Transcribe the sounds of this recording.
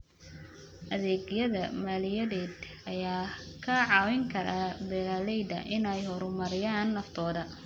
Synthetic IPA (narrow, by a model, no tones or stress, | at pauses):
ʔɐðɛːɡjɐðɐmaːlɪjɐðɛːd̪ | ɐjaːkʰɐʕɑːwɪŋkʰɐɾabɛlalɛjd̪ɐ̰ʔɪnɛjhɔɾʊmɐɾɪjaːnːɐft̪ʰɔːðɐ